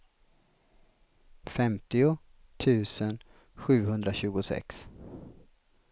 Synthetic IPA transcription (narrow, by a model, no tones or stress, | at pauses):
fɛmt̪ɪʊ | t̪ʰʉ̟ːsən | ɧʉ̟ːhɵnd̪ɾaɕʉ̟ːɡʊsɛ̰ks